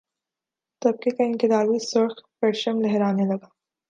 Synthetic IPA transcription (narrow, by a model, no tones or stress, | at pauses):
t̪ɐb̚kekaɪ̃ŋkɪd̪aːɾisʊɾxpɛʈʃəmlɛɦɾaːnelɐɡaː